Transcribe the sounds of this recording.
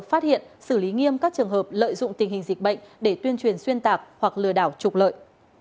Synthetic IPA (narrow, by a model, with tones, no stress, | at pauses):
k̚faː˦˥t̚hḭ˧˨ənsɨ˧˩li˨˦ŋi˧əmkaː˦˥k̚t͡ɕɨ˨˩əŋɦəː˨˩p̚lə̰ː˧˨jzʊ̰˧˨ŋ͡mt̪ï˨˩ŋ̟hï˨˩ŋ̟zi˨˩k̚ɓə̰˧˨jŋ̟ɗe˧˩t̪wi˧ənt͡ɕwi˨˩ənswi˧ənt̪aː˨˩k̚hwa˨˩k̚lɨ˧˩əɗaː˧˩wt͡ɕʊ˨˩k͡p̚lə̰ː˧˨jʔ